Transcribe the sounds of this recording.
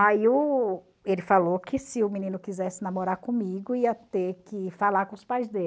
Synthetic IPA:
aiʊ | elɪfalokʰɪsɪʊmĩnĩnʊkizɛsɪnamoɾaɾkõmiɡʊiɐt̪eɾkɪfalaɾkõʊspajzd̪e

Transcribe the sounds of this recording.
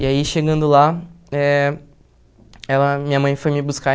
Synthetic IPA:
iaiʃeɡɐ̃nd̪ʊlaɛ | ɛlɐmĩɲɐmɐ̃j̃fojmɪbuska

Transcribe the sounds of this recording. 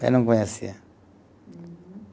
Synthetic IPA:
a̰nɔŋkɔɲasia

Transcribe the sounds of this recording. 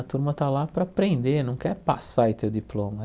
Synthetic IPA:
ɐt̪uɾmɐt̪alapɾɐapɾẽnd̪eɾnɐ̃w̃kɛɾpasaɪt̪ewd̪iplõmɐ

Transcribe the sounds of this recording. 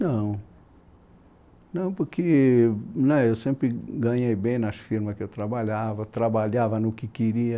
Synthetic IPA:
nɐ̃w̃ | nɐ̃w̃poɾkɪ | nɛewsẽmpɾɪɡɐ̃ɲejbẽj̃nɐsfiɾmɐkɪewt̪ɾabaʎavɐt̪ɾabaʎavɐnʊkɪkeɾiɐ

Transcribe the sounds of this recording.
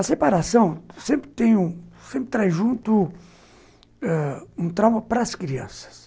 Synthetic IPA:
ɐsepaɾasɐ̃w̃sẽmpɾɪt̪ẽɲʊsẽmpɾɪt̪ɾajʒũnt̪ʊ | ɛũt̪ɾawmɐpɾɐskɾiɐ̰̃sɐ̥s

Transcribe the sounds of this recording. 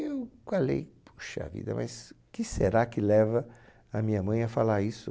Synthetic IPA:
ewkalḛjpʰu̥ʃɐa̰vḭd̪ɐ̰mɐ̰s | kɪseɾakɪlɛvɐ | ɐmĩɲɐmɐ̃j̃ɐfalaɾisʊ

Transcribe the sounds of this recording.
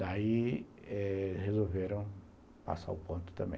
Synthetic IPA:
d̪ai | ɛhezoveɾɐ̃w̃ | pa̰sa̰ɾʊpõnt̪ʊ̥t̪ɐ̃mbḛ̃

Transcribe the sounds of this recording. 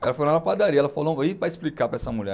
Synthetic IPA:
ɛlɐfajõnɛ̃ɐpad̪aɾiɐɛlɐfaloipɾɐesplikapɾɐɛsɐmuʎɛ̰

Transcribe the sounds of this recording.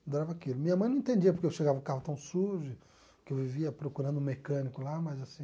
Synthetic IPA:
d̪oɾavɐakilʊmĩɲɐmɐ̃j̪̃ɐ̃ẽt̪ẽnd͡ʒiɐpoɾkeewʃeɡavɐʊkaɦʊt̪ɐ̃w̃suʒʊ | kɪewviviɐpɾokuɾɐ̃nd̪ʊ̃mekɐ̃nikʊlamɐzasĩ

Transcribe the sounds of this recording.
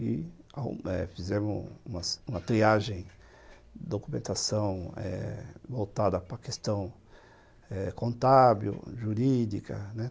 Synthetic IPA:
ɪa̰ɛ̰fizẽmʊũmɐsũmɐt̪ɾiaʒẽj̃ | d̪okumẽnt̪asɐ̃w̃ɛ̰vowt̪ad̪ɐpɾɐkest̪ɐ̃w̃ | ɛkõnt̪abiʊ̰ʒuɾid̪ikʰɐ̰nɛ

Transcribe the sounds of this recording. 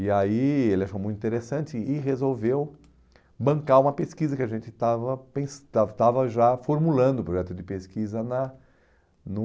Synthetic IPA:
ɪaielɪɐʃõmũt̪ĩt̪eɾesɐ̃nt͡ʃɪɪɦezowvew | bɐ̃ŋkaũmɐpeskizɐkɪaʒẽnt͡ʃ̪ɪt̪avɐpẽsat̪avɐʒafoɾmulɐ̃nd̪ʊpɾoʒɛt̪ʊd̪ɪpeskizɐnɐ | nʊ

